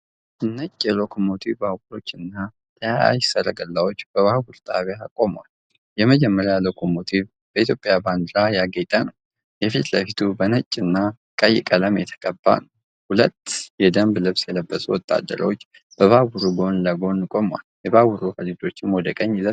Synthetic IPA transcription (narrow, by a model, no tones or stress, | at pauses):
ʔɨnːət͡ʃʼːjɛlo̞kʰomot̪ʰivbahβuɾo̞t͡ʃːɨnːa | t̪ʰəjaa̰jsəɾəɡəlːawo̞t͡ʃːb̥əβahbuɾt̪ʼʰaβjakʼo̞mwal | jɛməd͡ʒɛmːəɾjalo̞kʰo̞mo̞t̪ʰiv | bəit̪ʰjo̞pʼːjaband̪ɾajaɡet̪ʼanəw | jɛfit̪ləfit̪ʰubənət͡ʃʼːɨnːa | kʼəjːɪkʼələmjɛt̪ʰə̥kʼəbːa̰nəw | hulət̪ːjɛd̪əmblɨβsjɛləbːəsʼuwɔt̪ʼːa̰d̪ːə̰ɾ̰wot͡ʃː | b̥əβaβuɾuɡo̞nləɡo̞nkʼo̞mwa̰ljɛβaβuɾuhəlit̪ʰʼo̞t͡ʃːɪnwɔd̪əkʼəɲːɪzət̪